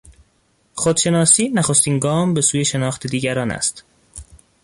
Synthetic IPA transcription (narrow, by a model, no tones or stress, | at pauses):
xod̪̥ʃe̞nɒːsiːnæxost̪iːnɡɒːmbe̞suːje̞ʃe̞nɒːxt̪ʰe̞d̪iːɟæɾɒːnæ̰st̪